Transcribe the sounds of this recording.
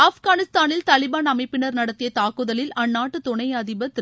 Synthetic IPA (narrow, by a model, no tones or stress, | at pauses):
aːfɣaːnɪst̪aːnɪlt̪ɐlɪbaːnɐmɐɪpːɪnɐɾnɐɽɐt̪ːɪjɐt̪aːkɯðɐlɪlɐnːaːʈːɯt̪ɔɳɐjɐðɪbɐt̪ɪ